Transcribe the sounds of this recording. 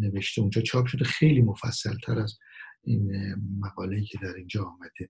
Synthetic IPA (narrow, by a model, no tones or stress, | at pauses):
ne̞veʃt̪eund͡ʒɒːt͡ʃʰɒːpʃo̞d̪exe̞jliːmo̞fæ̰sːælt̪ʰæɾæz | inmæɣɒːlejiːcʰe̞d̪æɾind͡ʒɒːmæd̪̥e